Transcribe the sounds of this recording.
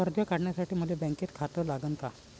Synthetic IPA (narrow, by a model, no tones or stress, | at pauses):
əɾd̪ʱjəkaɽɳjasaʈiːm̤əlebɛ̃ŋket̪kʰat̪əlaɡənka